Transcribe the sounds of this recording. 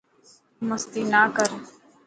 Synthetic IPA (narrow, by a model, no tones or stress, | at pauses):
məst̪iːnaːkəɾ